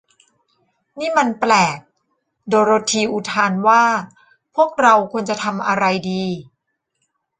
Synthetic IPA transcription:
niː˥˩ma˧nplɛː˨˩k̚ | doː˧ɾoː˧t̪ʰiː˧ʔu˨˩t̪ʰaː˧nwaː˥˩ | pʰu˥˩ək̚ɾa˧wkʰu˧nt͡ɕa˨˩t̪ʰa˧mʔa˧ɾa˧jdiː˧

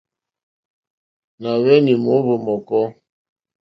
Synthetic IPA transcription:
na˨wɛ˦ni˨mo˨˦βo˨mɔ˨kɔ˦

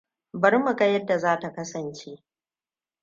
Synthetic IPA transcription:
bɐ˦rmɐ˨ɡa˦jɐ˦dːa˨zaː˦ta˨kɐ˦sɐ˨nt͡ʃe˦ʔ

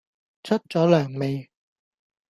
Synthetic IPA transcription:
t͡ɕʰɵ˥t̚t͡sɔː˨˥lœː˨˩ŋme˨˧j

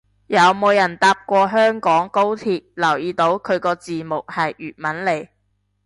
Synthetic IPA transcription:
jɐ˨˧wmo˨˧wjɐ˨˩nt̪aː˧p̚kʷɔː˧ɦœː˥ŋkɔː˨˥ŋko˥wt̪ʰiː˨t̚lɐ˨˩wjiː˨˧t̪o˨˥wkʰɵ˨˧ɥkɔː˧t͡siː˨mʊ˨k̚hɐ˨jʔyː˨t̚mɐ˨˥nle˨˩j

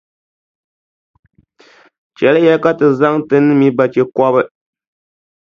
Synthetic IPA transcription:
t͡ʃɛ˨lɨ˦jɛ˦ka˦tɨ˨za˦ŋtɨ˦nːɨ˦mi˦ba˨t͡ʃe˦kɔ˦βɨ˦

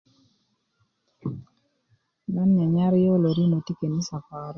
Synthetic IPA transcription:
na˦nɲa˨ɲa˦ɾjo˦lo˨ɾi˦mo˨ti˦ke˨ni˦sa˨fa˨ɾ

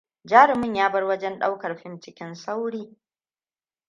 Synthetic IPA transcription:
d͡ʒaː˦ɾɪ˨mɪ˦˨ɲjaː˦bɐ˦rwɐ˦d͡ʒɛ˦nɗa˦wkɐ˨rɸɪ˦mt͡ʃɪ˦kʲɪ˦nsa˦wɽiː˦

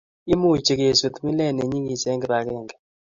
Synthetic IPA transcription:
ɪ˦mu˦˨t͡ʃe˨ke˨su˨t̪mi˦lɛ˦˨ne˨ɲi˦ŋi˨sɛ˦ŋɡɛ˨ba˨kɛ˦˨ŋɡɛ˨

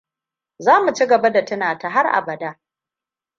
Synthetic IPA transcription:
zaː˦mu˨t͡ʃi˦ɡɐ˨ba˦da˨tɐ˦naː˨ta˨ɦa˦rʔa̰˨bɐ˨daː˦

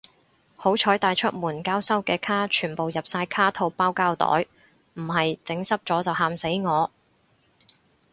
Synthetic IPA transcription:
ho˨˥wt͡ʃʰɔː˨˥jt̪aː˨jt͡ʃʰɵ˥t̚muː˨˩nkaː˥wsɐ˥wkɛː˧kʰaː˥t͡ʃʰyː˨˩npo˨wjɐ˨p̚saː˧jkʰaː˥t̪ʰo˧wpaː˥wkaː˥wt̪ɔ̰ː˨˥j | m̩˨˩hɐ˨jt͡sɪ˨˥ŋsɐ˥p̚t͡sɔː˨˥t͡sɐ˨wɦaː˧mse˨˥jŋɔː˨˧

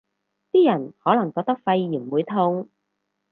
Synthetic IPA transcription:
t̪iː˥jɐ˨˩nhɔː˨˥lɐ˨˩ŋkɔː˧k̚t̪ɐ˥k̚fɐ˧jːiː˨˩mwuː˨˧jt̪ʰʊ˧ŋ

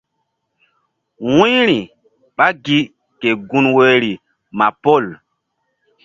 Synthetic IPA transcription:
wũ˦ɾi˨ | ɓa˦ɡi˦ | ke˨ɡu˦nwe˦ɾi˨ | ma˨po˦˨l

